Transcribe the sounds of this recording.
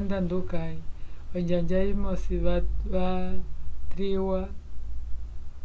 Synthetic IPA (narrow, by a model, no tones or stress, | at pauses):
ndandukaiɔɲd͡ʒaɲd͡ʒaimɔsiββa | tɾiwa